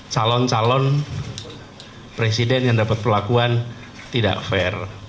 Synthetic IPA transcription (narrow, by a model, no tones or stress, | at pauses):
t͡ʃalɔnt͡ʃalɔn | pɾesidɛnjaŋdapat̪̚pərlakuan | t̪ida̰ʔfɛr